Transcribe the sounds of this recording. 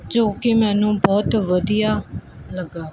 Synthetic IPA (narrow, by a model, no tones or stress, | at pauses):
d͡ʒõːkɪmɛːnũːbɔːt̪ʋəd̪ijaː | ləɡːaː